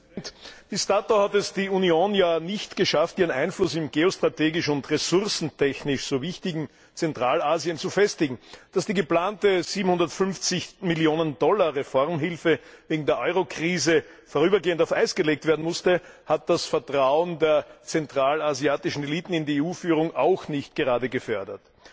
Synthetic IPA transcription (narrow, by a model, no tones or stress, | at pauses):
td̥istaːtohatɛsd̥iːunioːnjaːnɪçtɡ̥əʃaftʔiːʁənæɪnflʊsɪmɡeːostʁ̥ateːɡɪʃʊntʁesʊʁsn̩tʰɛçnɪʃsoːvɪçtɪɡŋ̩ | t͡sɛntʁ̥aːlaːziənt͡sufɛstɪɡŋ̩d̥asd̥iːɡəplaːntəz̥iːbm̩hʊ̃ndɐtfʏnft͡sɪçmɪljoːnəndɔlɐʁefɔʁmɦɪlfə | veːɡŋ̩deːɐʔɔʏʁokʁ̥iːzə | fɔːɐʁ̞yːbɐɡeːəntaʊfæɪsɡ̥əleːk̚tveːɐdn̩mʊstəhat̚d̥asfɛɐtʁ̥aʊəndeːɐt͡sɛntʁ̥aːlaziaːtɪʃn̩eliːtn̩ɪndieuːfyːʁ̞ʊŋʔaʊxnɪçtɡ̥əʁaːdəɡəfœɐdɐt